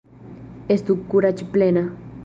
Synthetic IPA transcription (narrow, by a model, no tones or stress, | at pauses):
est̪ukːuɾat͡ʃiplena